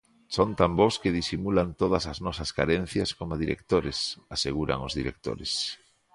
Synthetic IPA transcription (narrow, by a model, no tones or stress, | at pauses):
sont̪amboskeð̞isimulant̪oðɐsaznɔsɐska̰ɾen̟θjaskomaðiɾḛk̚t̪oɾɪsaseɣ̞uɾa̰ŋozðiɾḛk̚t̪o̰ɾɪs